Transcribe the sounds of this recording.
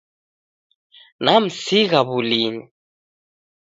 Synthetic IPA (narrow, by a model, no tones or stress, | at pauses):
nam̩siɣaβulini